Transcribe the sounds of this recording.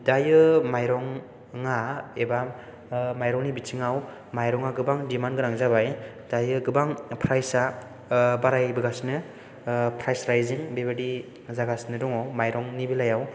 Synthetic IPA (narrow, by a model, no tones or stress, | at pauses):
dajɯmajɾɔŋː | aeba | majɾɔŋnibitʰiŋaw | majɾɔŋaɡɯbaŋdimanɡɯɾaŋzaβaj | d̥ajɯɡɯbaŋpʰɾajsa | baɾajbɯɡasnɯ | pʰɾajsɾajziŋbebadi | zaɡasnɯdɔŋɔmajɾɔŋnibilajaw